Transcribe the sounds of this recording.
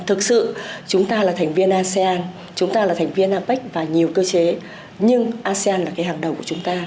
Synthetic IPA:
t̪ʰɨ˨˩k̚sɨ̰˧˨t͡ɕʊ˨˦ŋ͡mt̪aː˧laː˨˩t̪ʰɛ˨˩jŋ̟vi˧ənʔaː˧se˧ʔaː˧n | t͡ɕʊ˨˦ŋ͡mt̪aː˧laː˨˩t̪ʰjŋ̟vi˧ənʔaː˧pa˦˥k̟̚vaː˨˩ɲi˨˩əwkəː˧t͡ɕe˨˦ | ɲɨ˧ŋʔaː˧se˧aː˧nlaː˨˩kaː˨˦jɦaː˨˩ŋɗə̰˨˩wŋ͡mku˧˩˨t͡ɕʊ˨˦ŋ͡mt̪aː˧

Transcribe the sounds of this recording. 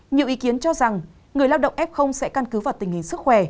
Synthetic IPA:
ɲi˨˩əwʔi˨˦ki˨˦ənt͡ɕɔ˧za˨˩ŋ | ŋɨ˨˩əjlaː˧wɗə̰˧˨wŋ͡mʔɛ˦˥p̚xə˧wŋ͡msɛ̰˧˥ka˧nkɨ˨˦vaː˨˩wt̪ï˨˩ŋ̟hï˨˩ŋ̟sɨ˦˥k̚xwɛ˧˩

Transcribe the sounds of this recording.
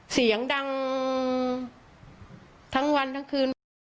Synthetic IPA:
si˩˦ɐəŋda˧ŋ | t̪ʰa˦˥ŋwa˧nt̪ʰa˦˥ŋkʰɯː˧n

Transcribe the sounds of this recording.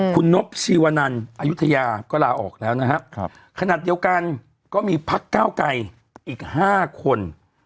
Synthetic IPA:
kʰu˧nːo˦˥p̚siː˧waː˧na˧nʔa˧ju˦˥t̪ʰa˧jaː˧kɔː˥˩laː˧ʔɔ̰ː˨˩k̚lɛː˦˥wna˦˥kʰa˦˥ | kʰa˧naː˨˩t̪̚di˧ə˧wka˧n | kɔː˥˩miː˧pʰa˦˥kːaː˥˩wka˧j | ʔiː˨˩k̚haː˥˩kʰo˧n

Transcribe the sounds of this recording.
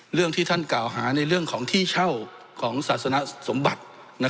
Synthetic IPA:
ɾɯ˥˩əŋt̪ʰiː˥˩t̪ʰa˥˩nklaː˨˩wɦaː˩˦na˧jɾɯ˥˩əŋkʰɔː˩˦ŋt̪ʰiː˥˩t͡ɕʰa˥˩w | kʰɔː˩˦ŋsaː˨˩t̪̚sa˧na˧˥so˩˦mba˨˩t̪̚ | na˧˥

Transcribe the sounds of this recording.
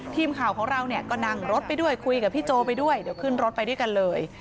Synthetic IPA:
t̪ʰiː˧mkʰaː˨˩wkʰɔː˩˦ŋɾa˧wni˥˩əkɔː˥˩na˧˩ŋɾo˦˥t̪̚pa˧jdu˥˩əjkʰu˧jka˨˩pʰiː˥˩t͡ɕoː˧pa˧jdu˥˩əjdiː˨˩˦əwkʰɯ˥˩nɾo˦˥t̪̚pa˧jdu˥˩əjka˧nlɤː˧j

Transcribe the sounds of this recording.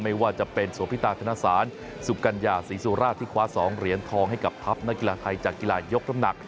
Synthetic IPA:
ma˥˩jwaː˥˩t͡ɕa˨˩pe˧nsu˩˦pʰi˦˥t̪aː˧t̪ʰa˧naː˧˩saː˩˦n | su˨˩ka˧njaː˧˩siː˩˦suː˧ɾaː˥˩t̪ʰːiː˥˩kʰwaː˨˦˥sɔː˩˦ŋɾi˩˦ənt̪ʰɔː˧ŋɦa˥˩jka˨˩p̚p̪ʰa˦˥p̚na˦˥ki˧laː˧t̪ʰa˧jt͡ɕaː˨˩kːi˧laː˧jo˦˥k̚na˧mna˨˩k̚

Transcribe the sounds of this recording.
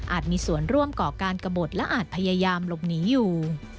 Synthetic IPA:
ʔaː˨˩t̪̚miː˧su˨˩˦ənɾu˥˩əmkɔː˨˩kaː˧nka˧bo˨˩t̪̚lɛ˦˥ʔaː˨˩t̪̚pʰa˧jaː˧jaː˧mlo˨˩p̚niː˩˦juː˨˩

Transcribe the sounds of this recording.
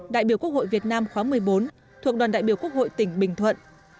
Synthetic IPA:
ɗa̰ː˧˨jɓi˧˩əku˦˥ək̚ho̰˧˨vi˨˩ət̚naː˧mxwaː˨˦mɨ˨˩əjɓo˨˦n | t̪ʰu˨˩ək̚ɗa˨˩nɗa̰˧˨ji˧˩əku˦˥ək̚ho̰˧˨jt̪ï˧˩ŋ̟ɓï˧˩ŋ̟t̪ʰwə̰˧˨nʔ

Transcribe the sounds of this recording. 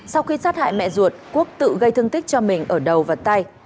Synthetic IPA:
sa˧wxi˧saː˦˥t̚ha̰ː˧˨jmɛ̰˧˨zu˨˩ət̚ku˦˥ək̚t̪ɨ̰˧˨ɣə˧jt̪ʰɨ˧ŋt̪i˦˥k̚t͡ɕɔ˧mï˨˩ŋ̟ʔəː˧˩ɗə˨˩wvaː˨˩t̪a˧j

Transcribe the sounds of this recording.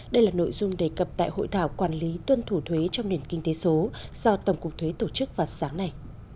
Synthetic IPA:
ɗə˧jlaː˨˩no̰˧˨jzʊ˧ŋ͡mɗe˧˩kə˨˩p̚t̪a̰ː˧˨jho̰˧˨jt̪ʰaː˧˩wkwaː˧˩nli˨˦t̪wə˧nt̪ʰu˧˩t̪ʰwe˨˦t͡ɕɔ˧ŋ͡mɗe˨˩nkï˧ŋ̟t̪e˨˦so˨˦za˧wt̪ə˧˨˩wŋ͡mkʊ˨˩k͡p̚t̪ʰwe˨˦t̪o˧˩t͡ɕɨ˦˥k̚vaː˨˩saː˨˦ŋna˨˩j

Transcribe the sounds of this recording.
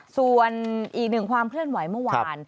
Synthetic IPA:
su˨˩ənʔiː˨˩k̚nɯ˨˩ŋkʰwaː˧mkʰlɯ˥˩ənwa˨˩˦jmɯ˥˩waː˧n

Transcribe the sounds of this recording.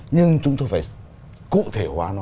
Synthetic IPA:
ɲɨ˧ŋt͡ɕʊ˨˦ŋ͡mt̪oː˧jfaː˧˩j | kṵ˧˨t̪ʰe˧˩kwaː˨˧˦nɔ˨˧˦

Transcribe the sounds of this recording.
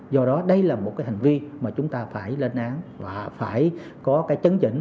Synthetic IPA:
zɔ˧ɗɔ˨˦ɗə˧jlaː˨˩mo˨˩t̚kaː˨˦ha˨˩ŋ̟vi˧maː˨˩t͡ɕʊ˨˦ŋ͡mt̪aː˧faː˧˩jle˧nʔaː˨˦ŋvaː˨˩faː˧˩j | kɔ˨˦kaː˨˦jt͡ɕə˨˦nt͡ɕḭ˧˩ŋ̟

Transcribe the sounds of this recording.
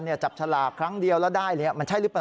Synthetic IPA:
nːi˥˩ɐt͡ɕa˨˩p̚t͡ɕʰa˧laː˨˩kʰɾa˦˥ŋdi˧əwlɛ˦˥wdaː˥˩jlɯː˨˩ɲi˦˥˩ma˧nt͡ɕʰa˥˩lɯ˦˥pa˧

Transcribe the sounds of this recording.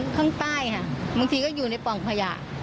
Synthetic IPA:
kʰaː˥˩ŋt̪aː˥˩jkʰa˥˩ʔbaː˧ŋt̪ʰiː˧kɔː˥˩juː˨˩na˧jpɔ˨˩ŋpʰa˧ja̰ː˨˩ʔ

